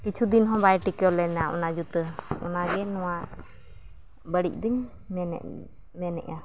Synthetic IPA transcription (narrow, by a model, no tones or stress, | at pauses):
kit͡ʃʰud̪inɦɔ̃bajʈikəlɛnaʔɔ̰nad͡ʒut̪əɔ̰naɡɛnɔwaʔ | bəɽic̚ˀd̪iɲ | m̰ | mɛnɛ̰ʔa